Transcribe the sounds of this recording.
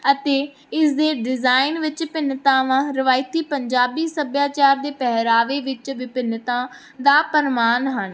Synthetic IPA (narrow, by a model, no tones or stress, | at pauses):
ət̪eː | ɪsd̪eːɖɪzaːɪnʋɪt͡ʃpɪnt̪ãːʋãːɾɪʋaːɪt̪iːpəɲd͡ʒaːbiːsəbjaːt͡ʃaːɾd̪eːpɛɦɾaːʋeːʋɪt͡ʃʋɪpɪnt̪ãː | d̪aːpəɾɪmaːnɦən